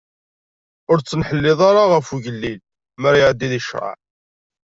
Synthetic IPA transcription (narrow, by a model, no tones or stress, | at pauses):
ʊɾt͡sːənħəlːɪðˤɑɾˤaʁəfuʝəlːil | məɾjʕd̪ːiðiʃɾɑ̰ʕ